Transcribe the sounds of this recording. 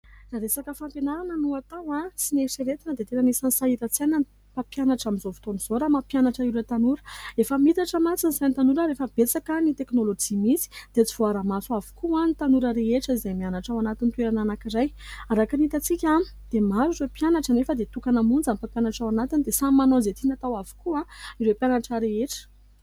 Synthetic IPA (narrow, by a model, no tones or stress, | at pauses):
raɾesakəfampenaɾanənuat̪awasineseɾet̪inəd̪et̪enanisansaiɾat͡sanan | papjanaʈ͡ʂamizovi̥t̪oniz̥oɾamapjanaʈ͡ʂaiɾet̪anuɾəefəmit̪aʈ͡ʂəmat͡siniz̥ajnt̪anuɾəɾefəbet͡sakənit̪eknolod͡ʒimit͡si̥d̪̥et͡si̥v̥oaɾamat͡suavu̥kuanit̪anuɾəɾeeʈ͡ʂəizajmianaʈ͡ʂawanat̪int̪weɾananakiɾaj | aɾakinit̪at͡sikʲa | d̪̥emaɾuɾepjanaʈ͡ʂənefəd̪et̪ukanəmund͡zampapjanaʈ͡ʂawanat̪inid̪esamanozet̪inat̪awavu̥kuaiɾepjanaʈ͡ʂəɾeeʈ͡ʂə̥